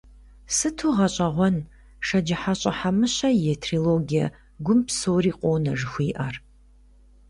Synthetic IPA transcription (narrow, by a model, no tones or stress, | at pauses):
sɨtʰuːʁɐɕʼɐʁʷɔn | ʂɐd͡ʒɪħaɕʼɐħamɨɕɐjɛtʰriloːɡijɐ̰ | ɡʷʊmpsoːriːqʷʼoːnɐʒɨxʷiːʔɐr